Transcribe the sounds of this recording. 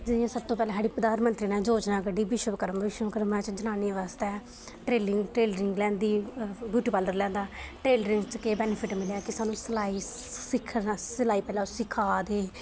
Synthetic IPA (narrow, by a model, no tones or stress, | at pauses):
d͡ʒɪd̪jãːsəb̚t̪õːpɛːlɛ̃ːsaːɽiːpəd̪aːnmənt̪ɾiːnɛ̃ːd͡ʒoːd͡ʒnãːkəɖiːbɪʃəʋəkəɾəmbʱəʋɪʃwəʋkəɾmãːt͡ʃd͡ʒənaːniʋaːst̪ɛː | ʈɾeːlɪŋɡʈɾeːləɾɪŋɡlɛ̃ːnd̪iːbjuːʈiːpaːld̪əɾlɛ̃ːnd̪aːʈɾeːləɾɪ̃ŋɡt͡ʃkeːbɛːnɪpʰɪʈmɪljaːkɪsaːnũːsəlaːiː | sɪkʰːsəlaːiːpɛːlãːsɪkʰaːd̪eː